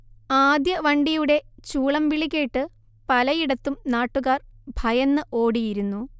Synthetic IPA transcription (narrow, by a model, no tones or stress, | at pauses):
aːd̪jɐʋɐɳɖijuɽe̞t͡ɕuːɭɐmʋiɭikʲːeʈːɨ | pɐlɐjiɽɐt̪ːumnaːʈːuɣaːrbʱɐjɐnːɨʔo̞ːɽijiɾunːu